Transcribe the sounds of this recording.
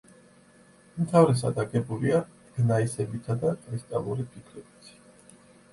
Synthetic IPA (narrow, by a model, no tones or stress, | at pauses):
mt̪ʰavɾɛs̬a̰d̪aɡʼɛbulia | ɡ̥naisɛbit̪ʰad̪akʼɾist̪ʼalˠuɾipʰikʰɾɛbit̪ʰi̥